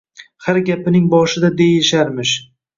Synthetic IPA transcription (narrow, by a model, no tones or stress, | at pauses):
haɾɡʲapɪnɪŋbɒʃɪd̪ad̪e̞jɪʃaɾmɪʃ